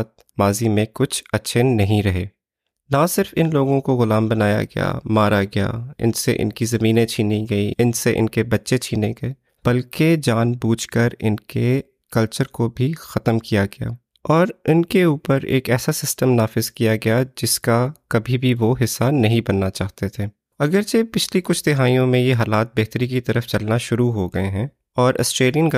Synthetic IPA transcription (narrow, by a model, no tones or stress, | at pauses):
t̪̚ | maːzimẽkʊt͡ʃʰɐtːʃʰenɐɦĩɾɐɦeː | nasɪɾfɪnloːɡõkoɣʊlaːmbɐnaːja̰ɡɐ̰ja̰maːɾaɡɐja̰ːɪ̰nsḛʔɪ̰nkizɐmiːnẽt͡ʃʰiːniɡɐiɪnseʔɪ̰nkebɐtːʃet͡ʃʰiːneɡɐe | b̥ɐlked͡ʒaːnbuːt͡ʃkəɾɪ̰nke | kɐlt͡ʃəɾkobʱixɐt̪əmkijaɡɐja̰ː | ɔːɾɪnkeuːpəɾḛːkɛːsasɪsʈəmnaːfɪzkijaɡɐjad͡ʒɪskakɐbʱibʱiʋoɦɪsːanɐɦĩbɐnːat͡ʃaːɦt̪et̪ʰeː | ɐɡəɾt͡ʃepɪt͡ʃʰlikʊt͡ʃʰd̪ɪɦaːijõmẽjeɦaːlaːt̪̚beɦt̪ɾikit̪ɐɾəft͡ʃɐlnaʃʊɾuɦoɡɐeɦɛ̃ː | ɔːɾʔɐ̰sʈɾeːlijənka